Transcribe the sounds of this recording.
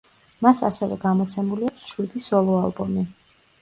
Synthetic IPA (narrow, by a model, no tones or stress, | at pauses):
masa̰sɛvɛ̰ɡamɔt̪sʰɛmuliakʰsʃwid̪isɔlˠɔalˠbɔmi